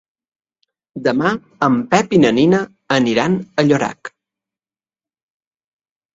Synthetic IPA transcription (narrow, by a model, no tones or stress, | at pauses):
d̪əma | əmpɛpinəninə | əniɾanəʎoɾa̰k